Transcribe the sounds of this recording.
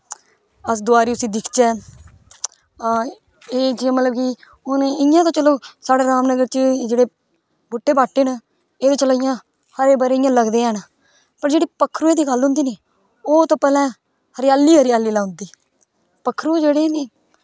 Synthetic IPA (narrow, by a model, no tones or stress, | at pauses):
əsd̪ʊaːɾiːʊsiːd̪ɪkʰt͡ʃɛː | eːd͡ʒemət̪ləbki | ʊnɪjãːt̪õːt͡ʃəloːsaːɽeːɾaːmnəɡəɾt͡ʃd͡ʒeːɽeː | bʊʈːeːbaːʈːeːnə | eːt̪õːt͡ʃəlaːɪjãː | həɾeːbəɾeːɪjãːləɡd̪eːɛːna | pəɾd͡ʒeːɽiːpəkʰːɾuːeːd̪iːɡəlɦʊ̃nd̪iːneː | oːt̪õːpɛːlɛ̃ː | həɾɪjaːlːiːɦəɾɪjaːliːlaːʊnd̪iː | pəkʰːɾuːd͡ʒeːɽeːneː